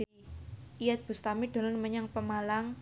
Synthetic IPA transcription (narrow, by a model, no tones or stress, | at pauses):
ijat̪̚b̥ṳst̪amiɖ̥ɔ̤lɔnməɲaŋpəmalaŋ